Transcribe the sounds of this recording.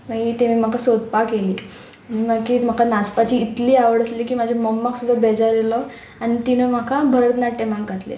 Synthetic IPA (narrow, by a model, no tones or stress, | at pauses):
ʋaɡit̪emiːm̤akasod̪̚pakeliː | ñimaɡkiːm̤akʰanaspat͡ɕiːt̪liːaʋəɽəsliːkiːmad͡ʑʱaməmːaksud̪ʱːabed͡zaɾelɔ | aɽ̃it̪inəm̤akʰabʱəɾət̪naʈːemaɡɡʱat̪lḛ